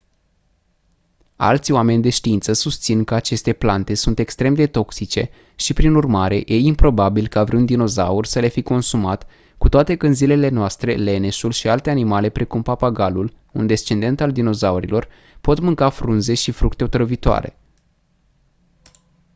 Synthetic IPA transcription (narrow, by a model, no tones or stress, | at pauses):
a̰lt̪sʲjoame̞nʲd̪e̞ʃt̪iint̪səsust̪sinkəat͡ʃe̞st̪e̞plant̪e̞sunt̪e̞kst̪ɾe̞md̪e̞t̪o̞ksit͡ʃe̞̰ | ʃipɾinurmaɾe̞je̞impɾo̞babilkaavɾiund̪ino̞za̰ursəle̞fiko̞nsumat̪ | kut̪oat̪e̞kənzile̞le̞noast̪ɾe̞le̞ne̞ʃulʃialt̪e̞animale̞pɾe̞kumpapaɡalul | und̪e̞st͡ʃe̞nd̪e̞nt̪ald̪ino̞zauɾḭlo̞r | po̞t̪mɨŋkafɾunze̞ʃifɾukt̪e̞ot̪ɾəvit̪oa̰ɾe̞̰